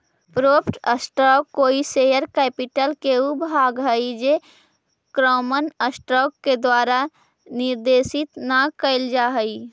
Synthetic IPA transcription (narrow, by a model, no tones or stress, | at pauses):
pɾoːpʰʈəsʈɾɔːkːoːisejəɾkɛːpɪʈəlkeubʱaːɡɦəid͡ʒe | kɾɔːmənəsʈɾɔːkːed̪waːɾa | nɪɾd̪eːsɪt̪nakəɪld͡ʒaːɦəi